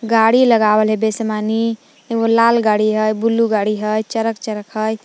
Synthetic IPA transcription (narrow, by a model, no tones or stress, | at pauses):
ɡaɽiləɡabəlɦebesmani | olalɡaɽiɦəjbulːuɡaɽiɦəjt͡ʃəɾək̚t͡ʃəɾəkɦəj